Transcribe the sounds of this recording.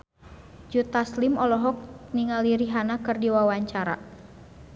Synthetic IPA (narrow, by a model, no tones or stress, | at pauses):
d͡ʒut̪aslimɔlɔɦɔk̚niŋaliɾiɦanakɨrdiwawaɲt͡ʃaɾa̰